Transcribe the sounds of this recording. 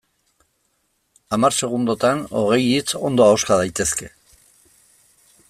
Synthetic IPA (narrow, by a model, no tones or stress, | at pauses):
amarse̞ɣ̞und̪ot̪ano̞ɣ̞e̞jit͡so̞nd̪o̞aoskaðajt̪e̞ske̞